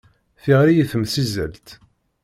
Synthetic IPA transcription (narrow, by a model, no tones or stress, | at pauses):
θiʁɾijiθəmsizə̰lt̪